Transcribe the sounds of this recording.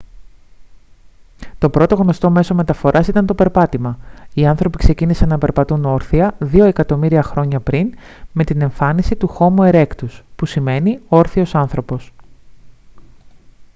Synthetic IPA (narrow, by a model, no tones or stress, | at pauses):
t̪o̞pɾo̞t̪o̞ɣno̞st̪o̞me̞so̞me̞t̪ɐfo̞ɾʔɐsit̪ɐnt̪o̞pe̞ɾpɐt̪imɐiɐnθɾo̞pikse̞cinisɐnːɐpe̞ɾpɐt̪uno̞ɾθiɐðio̞e̞kɐt̪o̞miɾiɐxɾo̞ɲɐpɾinme̞t̪ine̞ɱfɐnisit̪uxo̞mue̞ɾe̞kt̪uspusime̞nioɾθio̞sɐnθɾo̞po̞s